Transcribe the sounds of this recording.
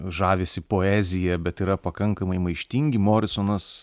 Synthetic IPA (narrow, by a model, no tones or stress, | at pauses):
ʒɑːʋʲeːsʲɪpoːæːzʲɪjɛbʲɛt̪iːɾɐpɐkɐŋkɐmɐɪmɐɪʃʲt̪ʲiŋʲɡʲɪmoːɾʲɪsoːnɐs